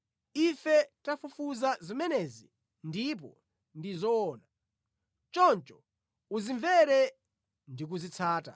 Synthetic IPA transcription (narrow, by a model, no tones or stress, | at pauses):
ifɛtafufuzazimɛnɛzi | ndip̬ɔ̰ | ndizɔɔːna | t͡ʃɔnt͡ʃɔ̥ | uziɱvɛɾɛ | ndik̬uzit͡sʰaːta̰